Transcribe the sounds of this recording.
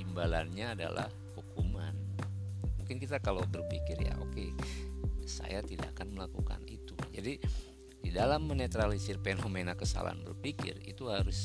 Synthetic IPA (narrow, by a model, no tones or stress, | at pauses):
imbalanɲaːda̰la̰h | hukuman | muŋkɪnkit̪akalobərpikɪrja̰ʔoke | sa̰jat̪ida̰ʔkanməlakuka̰nit̪ud͡ʒadi | didalamːənet̪ɾalisirpenomenakəsa̰la̰nbərpikɪ̰rḭt̪uhaɾʊs